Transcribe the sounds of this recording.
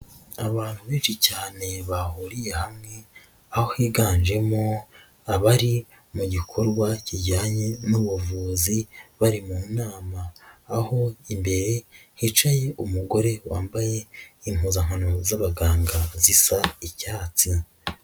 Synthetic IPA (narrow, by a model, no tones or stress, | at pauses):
aβaːn̥huβiːʒicaːne̞βahuɾije̞hamŋe̞ | aho̞hiːɡaːnʒe̞mo | aβaɾi | muɟikʰo̞ɾɡwaciɟaːɲenuβuvuːziβaɾimuːnaːmaːho̞imbe̞ɾe̞hit͡ʃaje̞ʔumuɡo̞ɾe̞wʔa̰ːmbaje̞iŋuːzaŋ̥hano̞zaβaɡaːŋɡazisaicaːt͡si